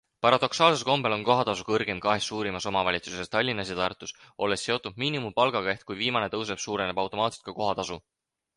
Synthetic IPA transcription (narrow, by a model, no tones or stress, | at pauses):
pɑɾɑd̪̥o̞ksɑːlse̞lko̞mbe̞lo̞nko̞ɦɑt̪ɑsukɤrɡ̥e̞mkɑɦe̞sːuːɾimɑso̞mɑvɑlʲit̪su̥se̞st̪ɑlʲːinːɑs̬jɑt̪ɑrt̪ːˑusʔo̞lːe̞sːe̞ot̪ːˑud̪̥̚miːnimupɑlɡ̥ɑɡɑeht̪kujviːmɑne̞t̪ɤws̬e̞b̥suːɾe̞ne̞b̥ɑwt̪o̞mɑːt̪se̥t̪̚kɑko̞ɦɑt̪ɑsu